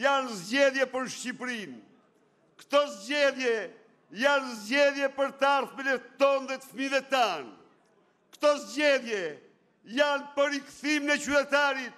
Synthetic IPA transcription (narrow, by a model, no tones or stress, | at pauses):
janzɟɛðjɛpəɾʃcipɾin | kt̪ɔzɟɛðjɛ | janzɟɛðjɛpəɾt̪aɾθmɛnɛt̪ɔnd̪ɛt̪əfmivɛt̪an | kt̪ɔzɟɛðjɛ | janpəɾikθiminɛt͡ɕyt̪ɛt̪aɾit̪̚